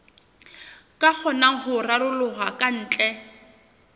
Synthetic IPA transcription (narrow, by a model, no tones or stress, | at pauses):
kʼak͡xʰɔnaŋ̩χʊralʊlʊɣakʼan̩ːt͡ɬʼɛ